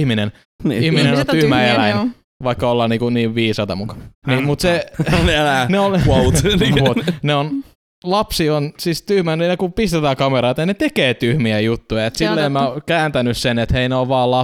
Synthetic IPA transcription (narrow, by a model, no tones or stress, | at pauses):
hminen | ihminennont̪yhmæelæin | ʋɑikːɑolːɑːnniːŋkuniːʋʋiːsɑt̪ɑmukɑ̥niːmut̪selneon | ot̪neon | lɑpsionsist̪yhmænenɑkupist̪et̪æːkɑmeɾɑit̪ɑnet̪ekeːt̪yhmiæjut̪ːujɑet̪silːeːmmæokæːnt̪ænyssenet̪heineoʋʋɑːllɑ